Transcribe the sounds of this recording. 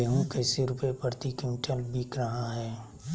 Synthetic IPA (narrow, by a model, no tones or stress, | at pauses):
eɦõkɛːseɾʊpepəɾt̪ikɪmɪʈʰəlbʱikɾəɦaɦɛː